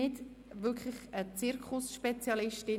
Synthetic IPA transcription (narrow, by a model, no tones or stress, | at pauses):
ɪt | ʋʏkʰχlɪχət͡sɪɾkʰʊsʃpɛt͡sjɑlɪʃtɪ